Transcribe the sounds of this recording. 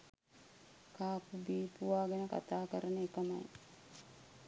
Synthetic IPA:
kaːpubiːpuʋaːɡɛnəka̰t̪aːkəɾənekəma̰j

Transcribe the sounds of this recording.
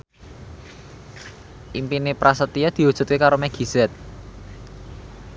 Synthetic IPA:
ʔimpinepɾasət̪ijad̪̥i̤wud̥ʒ̥ṳt̪̚kekaɾomɛɡ̥i̤z̥ɛt̪̚

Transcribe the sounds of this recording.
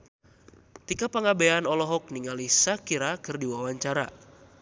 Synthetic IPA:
t̪ikapaŋabeanɔlɔɦɔk̚niŋalisakiɾakɨrdiwawaɲt͡ʃaɾa

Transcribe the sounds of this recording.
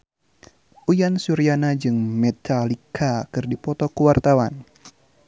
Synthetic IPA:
ʔujansuɾianad͡ʒɨŋmɛt̪ʰalikʰakɨrdipɔt̪ɔkuwart̪awan

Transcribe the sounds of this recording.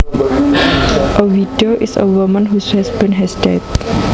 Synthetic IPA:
ʔəwidioʔisə̰wumə̃nɦushɛsbĩnɦɛsdɛt

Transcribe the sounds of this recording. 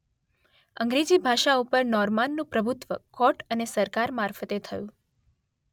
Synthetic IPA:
əŋɡɾed͡ʒibʱaʃaupəɾnɔɾmanːũpɾəbʱut̪ʋəkɔʈənesəɾkaɾmaɾfət̪et̪ʰəjũ

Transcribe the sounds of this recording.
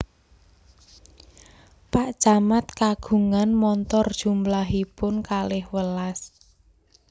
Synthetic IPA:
paʔd̥ʒ̥amat̪̚kaɡ̥ṳŋanmɔnt̪ɔrd̥ʒ̥ṳmblaɦipʊnkalɪhwəlas

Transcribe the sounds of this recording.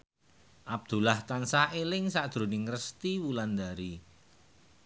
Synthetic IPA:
ʔab̚d̪̥ṳlaht̪ansahelɪŋsaʔd̪̥ɾo̤nɪŋrəst̪iwuland̪aɾi

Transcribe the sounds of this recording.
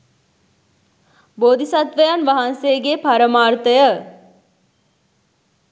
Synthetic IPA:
boːd̪isat̪ʋəjanʋaɦanseɡepaɾəmaːrt̪əjə

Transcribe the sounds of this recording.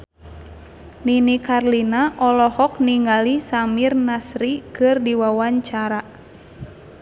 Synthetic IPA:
ninikarlinaʔɔlɔhɔk̚niŋɡalisamirnasɾikɨrdiwawaɲt͡ʃaɾa

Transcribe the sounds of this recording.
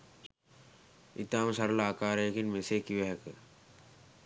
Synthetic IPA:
it̪aːmsɐɾlaːkaːɾekinmeseːkiʋeɦk

